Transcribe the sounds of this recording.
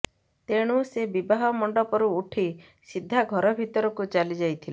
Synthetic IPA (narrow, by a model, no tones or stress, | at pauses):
t̪eɽ̃usebibaɦɔmɔɳɖɔpɔɾuːʈʰi | sid̪ʱːaɡʱɔɾɔbʱit̪ɔɾɔkut͡ʃalid͡ʒajt̪ʰile